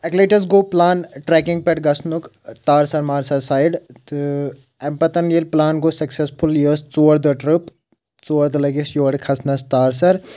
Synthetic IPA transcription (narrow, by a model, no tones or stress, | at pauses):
ɐkleːʈɐsɡoːplaːnʈɾɛːkɪ̃ŋɡ̚pɛʈ̚ɡɐsnuk | t̪aːɾsɐɾmaːɾsɐsaːjɖt̪ | ɛmpɐt̪ɐnilplaːnɡosɐksespʰuljoːst͡suːɐɾd̪əʈɾɨp | t͡suːɐɾd̪ɐlɐɡesjoːɽkʰɐsnɐst̪aːɾs̬ɐɾ